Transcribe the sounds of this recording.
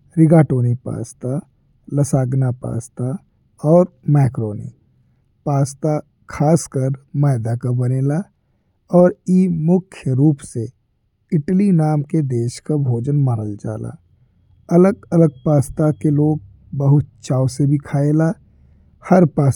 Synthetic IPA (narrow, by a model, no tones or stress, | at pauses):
ɾɪɡaːʈoːnipa̰ːst̪a | ləsaːɡnapa̰ːst̪a | ɔːɾmɛːkɾoːnḭ | paːst̪a | kʰaːskəɾmaːɪd̪akabɐneːla | ɔːɾimʊkʰjəɾuːpse | ɪʈlinaːmked̪eːʃkabʱoːd͡ʒənmaːɾəld͡ʒa̰ːla̰ː | ɐləɡələɡ̚paːst̪akeloːɡ̚ | bəɦʊt̪̚t͡ʃaːwsebʱikʰaːeːlaː | hɐɾpaː